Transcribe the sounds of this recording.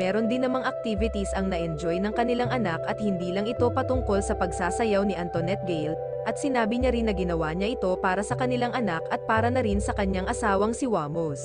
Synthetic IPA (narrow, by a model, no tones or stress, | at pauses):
mɛːɾond̪ɪnːɐmɐŋʔɐk̚t̪ivɪt̪isɐŋnɐʔɛnd͡ʒo̞jnɐŋkɐnɪlaŋʔɐnakɐt̪̚hɪnd̪iːlɐŋɪt̪o̞pɐt̪ʊŋko̞lsɐpɐɡsaːsɐjawniʔɐnt̪onɛt̪̚ɡɛjl | ʔɐt̪̚sɪnaːbɪɲɐɾinːɐɡɪnɐwaːɲɐʔɪt̪o̞paːɾɐsɐkɐnɪlaŋʔɐnakʔɐt̪̚paːɾɐnɐɾinsɐkɐɲːaŋʔɐsaːwɐŋsɪwaːmos